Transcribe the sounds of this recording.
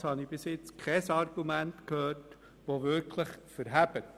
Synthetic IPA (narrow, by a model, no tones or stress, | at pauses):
shɑnib̥ɪsɪt͡skʰχɛsɑrɡ̥umæntkhøːɾt | ʋoʋɪɾkʰləχfəɾɦæb̥ət